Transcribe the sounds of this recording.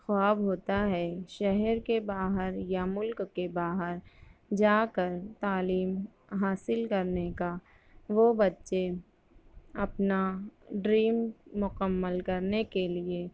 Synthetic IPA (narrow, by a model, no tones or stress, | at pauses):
xaːbɦoːt̪aɦɛʃɛɦɛɾkebaːɦəɾjamʊlkːebaːɦəɾd͡ʒaːkəɾt̪aːliːm | ɦaːsɪlkɐɾneka | ʋobɐtːʃe | ɐpnaɖɾiːmːʊkəmːəlkɐɾnekelie